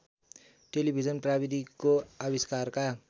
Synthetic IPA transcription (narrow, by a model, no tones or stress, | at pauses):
ʈelibʱid͡zʌnprabid̪ʱikoabiskarka